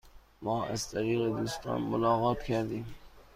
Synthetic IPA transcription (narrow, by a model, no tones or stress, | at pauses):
mɒːʔæ̰zt̪ʰæɾiːɣed̪uːst̪ɑ̰ːnmolɒːɣɒːt̪cʰæɾd̪iːm